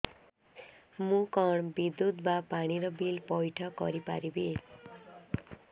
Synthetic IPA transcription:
mukʌɳbid̪ːut̪bapaɽ̃iɾʌbilpʌjʈʰʌkʌ̰ɾipa̰ɾibe

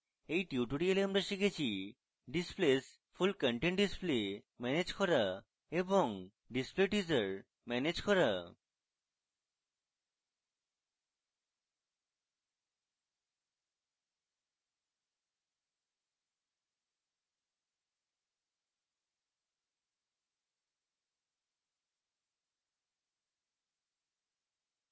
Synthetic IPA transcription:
ejʈiuʈuɖialeamɾaʃikʰet͡ɕʰi | ɖisples | pʰulkɔɳʈeɳʈɖisple | mɛned͡ʑkɔɾa | eboŋ | ɖispleʈizaɾ | mɛned͡ʑkɔɾa

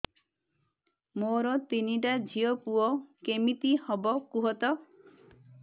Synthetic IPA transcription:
moɾɔt̪iniʈad͡ʒʱiɔpuɔkemit̪ihɔbɔkuɦɔt̪ɔ

